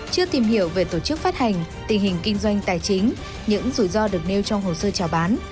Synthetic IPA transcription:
t͡ɕɨ˧ət̪i˨˩mhi˧˩əwve˨˩t̪o˧˩t͡ɕɨ˦˥k̚faː˦˥t̚ha˨˩jŋ̟t̪ï˨˩ŋ̟hï˨˩ŋ̟kï˧ŋ̟zwa˧jŋ̟t̪aː˨˩jt͡ɕï˨˦ŋ̟ | ɲɨ̰˧˥ŋzu˧˩jzɔ˧ɗɨ˨˩ək̚ne˧wt͡ɕɔ˧wŋ͡mɦo˨˩səː˧t͡ɕaː˨˩wɓaː˨˦n

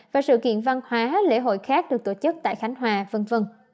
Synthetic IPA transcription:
vaː˨˩sɨ̰˧˨kḭ˧˨ənva˧nhwaː˨˦lḛ˧˥ɦo̰˧˨jxaː˦˥k̚ɗɨ˨˩ək̚t̪o˧˩t͡ɕɨ˦˥k̚t̪a̰ː˧˨jxa˨˦jŋ̟ɦwaː˨˩və˧nvə˧n

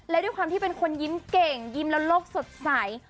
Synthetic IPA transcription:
lɛ˦˥doː˥˩jkwaː˧mt̪ʰiː˥˩pe˧nkʰo˧nji˦˥mke˨˩ŋji˦˥mlɛ˦˥wloː˥˩k̚so˨˩t̪̚sa˨˩˦j

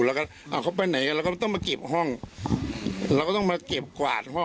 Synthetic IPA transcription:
lɛː˦˩ka˥˩ʔa˧˨˩kʰa˦˥wpa˧jna˨˩˦jka˧˨lːkɔ˥˩˧t̪ɔ˥˩ŋma˧ke˨˩p̚ɦɔ˥˩ŋ | lɛː˧wka˥˩t̪ɔ˥ŋmaː˧ke˨˩p̚kwa̰ː˨˩t̪̚ɦɔ˥˩

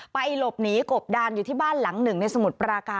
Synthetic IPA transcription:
pa˧jlo˨˩p̚niː˦˥ko˨˩p̚daː˧njuː˨˩t̪ʰiː˥˩baː˥˩nla˩˦ŋnɯ˨˩ŋna˧jsa˧mu˨˩t̪̚pɾaː˧kaː˧

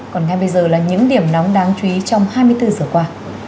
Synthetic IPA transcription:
kɔ˨˩nŋa˧jɓə˧jzəː˨˩laː˨˩ɲɨ̰˧˥ŋɗi˧˩əmnɔ˨˦wŋ͡mɗaː˨˦ŋt͡ɕu˧˨i˨˦t͡ɕɔ˧wŋ͡mhaː˧jmɨ˧əjt̪ɨ˧zəː˨˩kwaː˧

